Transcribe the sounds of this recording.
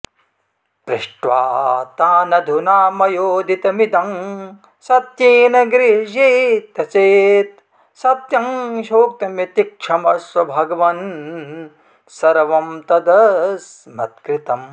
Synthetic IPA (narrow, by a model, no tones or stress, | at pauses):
pɾiʂʈʋa̰ːt̪aːnɐd̪ʱunaːmɐjoːd̪ʱit̪ɐmid̪ɐŋ | sɐt̪jeːnɐɡɾiʃiːt̪ɐt͡ʃeːt̪̚ | sɐt̪jɐŋʃoːk̚t̪ɐmjit̪ikʂʰɐmɐʂɐbʱɐɡɐʋɐn | sɐɾɐʋɐmt̪ɐd̪ɐsmɐt̪̚kɾit̪ɐm